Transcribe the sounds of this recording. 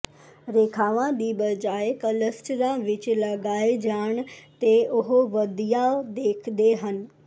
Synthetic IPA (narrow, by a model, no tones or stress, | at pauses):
ɾeːkʰaːʋãɗ̪iːbɐd͡ʑaːekɐləsʈɾãʋɪt͡ɕ̆lɐɡaːed͡ʑaːɽ̃t̪eʔʊɦoʋɐd̪ʱijad̪eːkʰd̪eɦənɪ̆